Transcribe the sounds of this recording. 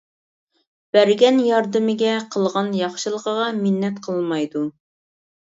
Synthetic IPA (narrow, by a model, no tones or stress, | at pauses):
b̥æɾɡʲɛnjɑɾd̪ɨmɪɡʲɛqʰəlˠʁɑnjɑχʃɨlˠəqəʁɑminːɛt̪qʰəlˠmɑjd̪u